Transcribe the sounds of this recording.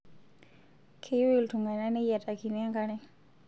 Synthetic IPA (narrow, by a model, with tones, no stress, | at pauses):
kʰe˦jwi˨ltu˨ŋɡa˨na˦ne˦ja˨tʼa˨ki˨ni˦a˦ŋɡa˦nɛ˦